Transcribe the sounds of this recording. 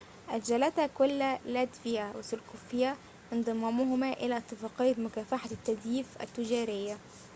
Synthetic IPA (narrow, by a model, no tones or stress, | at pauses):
ʔæd͡ʒælæt̪hækʊlːælæt̪fɪjæwɪsʊlkufɪjæ | ʔɪnd̪ˤɨmːæmʊɦʊmæʔɪlæːʔt̪ˤːɨfɑːqejːt̪mʊkæːfaħat̪ːæd̪jiːfʔæ̰t̪ːɪd͡ʒæːɾɪjːæ